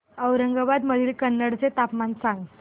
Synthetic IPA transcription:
əwɾəŋɡəbad̪məd̪ʱiːlkənːəɽt͡set̪apmansãŋɡ

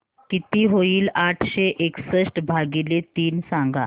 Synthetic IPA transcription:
kit̪iːɦoiːlaʈʰɕeʔeksəsʈbʱaɡilet̪iːnsãŋɡa̰

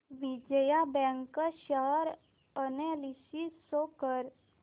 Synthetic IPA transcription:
ʋid͡ʑəjabɛ̃ŋkəɕəɾ | ənelisisokəɾ

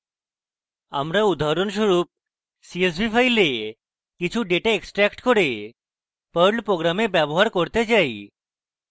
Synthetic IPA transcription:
a̰mɾaud̪aɾons̬ɔɾuːp̚ | sies̬bʱipʰajle | kit͡ʃʰuɖeʈaeksʈɾɛkʈkɔɾe | pəɾɖpɾoɡɾamebjabɔɦaɾkɔɾt̪ed͡ʑaj

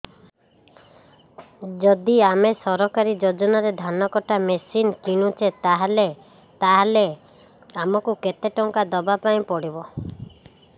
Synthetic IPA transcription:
d͡ʒɔd̪iamesɔɾɔkaɾid͡ʒod͡ʒɔnaɾed̪ʱanɔkɔʈamesinkiɽ̃ũt͡ʃʰet̪aɦale | t̪aɦale | amɔkuket̪eʈɔŋkad̪ɔbapaĩpɔɽibɔ

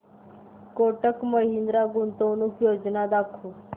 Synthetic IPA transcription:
koʈəkməɦind̪ɾaɡunt̪ownuːkjod͡znad̪akʰu

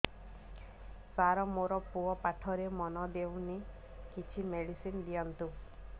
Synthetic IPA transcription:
saɾɔmoɾɔpuɔpaʈʰɔɾemɔnɔd̪ewni | kit͡ʃʰimeɽisind̪ijɔnt̪u

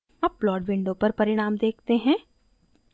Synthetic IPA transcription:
ɐp̚ːlɔːɖʋɪ̃ɳɖõpɐɾpɐɾɪɽ̃aːmd̪eːkʰt̪eɦɛ̃ː

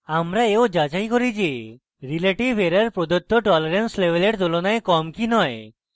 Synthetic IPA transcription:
amɾaeod͡ʒad͡ʒajkɔɾid͡ʒe | ɾileʈibʱeɾaɾpɾod̪ot̪ʰːoʈɔleɾenslebeleʈt̪ulɔnaekɔmkinɔe

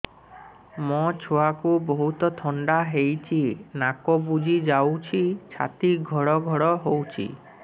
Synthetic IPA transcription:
mɔ̃t͡ʃʰoakuboɦut̪ɔt̪ʰɔɳɖaɦejt͡ʃʰinakobud͡ʒʱid͡ʒawt͡ʃʰit͡ʃʰa̰t̪iɡʱɔɽɔɡʱɔɽɔɦowt͡ʃʰḭ

